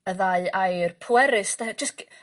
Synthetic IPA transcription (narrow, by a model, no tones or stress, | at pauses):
əðaɨajrpʰʊɛɾɨsd̥ad͡ʒəsk